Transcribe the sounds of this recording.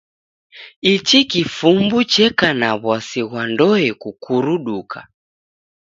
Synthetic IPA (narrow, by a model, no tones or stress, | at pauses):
it͡ʃikifumbut͡ʃɛkanaβwasiɣwandɔɛkukuɾuɗukʰa̰